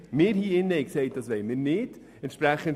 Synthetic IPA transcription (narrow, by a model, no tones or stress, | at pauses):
mɪːɾhiːɪnːɛɪksɛɪt̚d̥ɑsʋɛɪmɪːɾnɪd̥ | ɛntʃpɾæχən